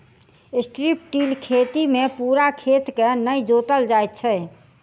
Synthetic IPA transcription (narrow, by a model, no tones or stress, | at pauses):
sʈɾip̚ʈiːlkʰet̪imẽpuɾakʰet̪kenəjd͡ʒot̪əld͡ʒajt̪̚t͡ʃʰɛ